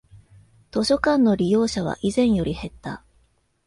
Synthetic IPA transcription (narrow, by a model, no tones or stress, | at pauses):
t̪o̞ɕo̞kãnːo̞ɾʲijo̞ːɕaβ̞a̰ʔizẽ̞ɰ̃jo̞ɾʲihe̞t̪ːa̰